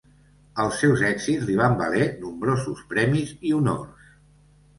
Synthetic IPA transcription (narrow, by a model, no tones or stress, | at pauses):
əlˠsːɛwzɛkzizliβ̞ambə̰lɛnumbɾozuspɾɛmiziuno̰rs